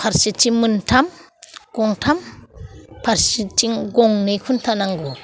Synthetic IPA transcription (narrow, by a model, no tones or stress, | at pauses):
pʰaɾsit͡ʃiŋmɯntʰam | ɡ̥ɔŋtʰam | pʰaɾsit͡ʃiŋɡɔŋnɯjkʰuntʰanaŋɡɔ